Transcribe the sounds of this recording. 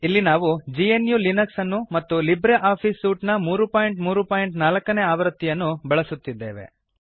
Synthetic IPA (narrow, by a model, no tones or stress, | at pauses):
ilːinaːʋud͡ʒienjuːlinɐksɐnːumɐt̪ːulibɾeʔaːpʰiːsuːʈnɐmuːɾupaːjiɳʈmuːɾupaːjiɳʈnaːlɐkːɐne̞ːaːʋɐɾɐt̪ːijɐnːubɐɭɐsut̪ːid̪ːe̞̰ːʋe̞̰